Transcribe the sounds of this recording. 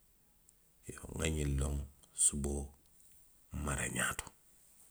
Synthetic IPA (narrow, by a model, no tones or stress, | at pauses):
joŋaɲiloŋsubo | maɾḛɲa̰ːto̥